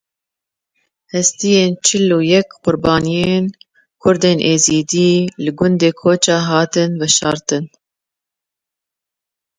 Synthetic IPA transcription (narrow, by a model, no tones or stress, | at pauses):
hɛst̪ijeːnt͡ʃʰɨluːjɛkqʊɾbɑːnijeːn | kʰʊɾd̪eːnʔeːziːd̪iːlɨɡʊnd̪eːkʰoːt͡ʃɑːɦɑːt̪ɨnvɛʃɑːɾt̪ɨn